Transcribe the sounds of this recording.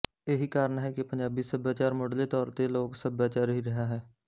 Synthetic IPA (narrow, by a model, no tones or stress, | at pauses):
eɦikaːɾəɳɦɛkepə̃ɲd͡ʒaːbisəbjaːt͡ʃaːɾmoːɖlet̪ɔːɾt̪eloːɡsəbjaːt͡ʃaːɾɦiɾəɦaɦɛː